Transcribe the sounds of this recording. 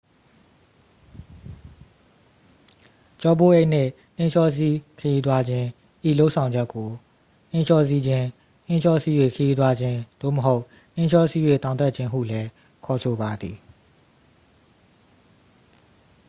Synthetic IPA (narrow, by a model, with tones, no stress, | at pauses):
t͡ɕɔ˦bo˦˨ʔe˦ʔn̥ɪ̰̃˦˨ | nɪ̃˦ʃʰɔ˦s̬i˦kʰə˨ji˦t̪̬wa˦d͡ʑɪ̃˦ | ʔḭ˦˨lo˦ʔsʰã˨ʊ̃ɲd͡ʑɛ˦kːo˨ | n̥ɪ̃˦ʃʰɔ˦si˦d͡ʑɪ̃˦ | nɪ̃˦ʃɔ˦si˦jwe˦˨kʰə˨ji˦t̪̬wa˦d͡ʑɪ̃˦d̪̥o̰˦˨mə˨ɦo˦ʊʔ | n̥ɪ̃˦ʃɔ˦si˦we˦˨t̪ã˨ʊ̃nt̪a˦˨t͡ɕʰɪ̃˦ɦṵ˦˨lɛ˦ | kʰɔ˨sʰo˨ba˨d̪ði˨